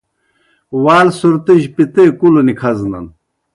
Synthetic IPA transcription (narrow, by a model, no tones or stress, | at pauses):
waːlsuɾt̪iʑpit̪ekulonikʰɐznɐ̰n